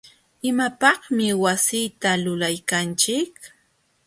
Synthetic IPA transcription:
ɪmapɑχmɪwasijt̪alʊlajkant͡ʃɪk̚

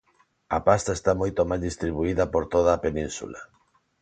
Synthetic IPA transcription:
ɐpast̪aest̪amojt̪omajzðist̪ɾiβuiðɐpoɾt̪oðɐːpenĩnsṵla

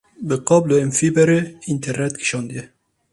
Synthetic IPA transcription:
bɨqɑbloɛmfibɛɾeint̪ʰɛɾnɛt̪kʰi̥ʃɑːnd̪ijɛ

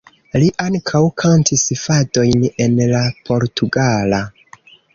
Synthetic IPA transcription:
liʔaŋkʰawkʰantʰisfado̞jne̞nlapʰo̞ɾtʰuɡala

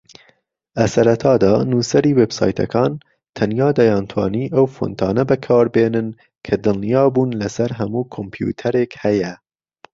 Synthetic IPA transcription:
lɐsɐɾɐt̪ʰɑːd̪ɑːnuːsɐɾiːwebsɑ̰ːjt̪ʰɐ̰kʰɑːn | t̪ʰɐnjɑːd̪ɐjɑːnt̪ʰwɑ̰ːniːʔɐwfo̰nt̪ʰɑːnɐbɐkʰɑːɾbeːnɨn | kʰɐd̪ɨlnijɑːbuːnlɐsɐɾɦɐmuːkʰompʰjṵːt̪ʰɐɾeːkhɐjɛ

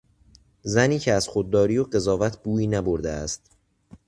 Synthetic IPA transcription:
zæniːcʰeæz̥χod̪̚ːɒːɾiːjoɢe̞zɒːvæt̪ʰbuːiːnæbo̞ɾd̪eæst̪̚

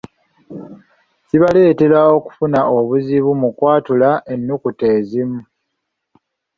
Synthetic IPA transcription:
siβale̞ːte̞ɾao̞ku̥funaʔo̞βuziβumukwaːtulaʔe̞nːukute̞ːzimu

